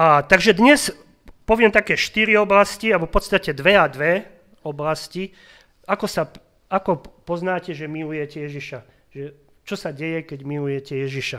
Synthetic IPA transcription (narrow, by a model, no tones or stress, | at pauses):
at̪aɡʒɛd̪ɲɛs | pɔʋɪɛmt̪akɛːʃt̪iɾiɔblascialɛbɔfpɔt̪st̪acɛd̪ʋɛad̪ʋɛ | ɔblasci | akɔsa | akɔpɔznaːcɛʒɛmilujɛcɛjɛʒiʃa | ʒɛ | t͡ʃɔsaɟɛjɛkɛɟmilujɛcɛjɛʒiʃa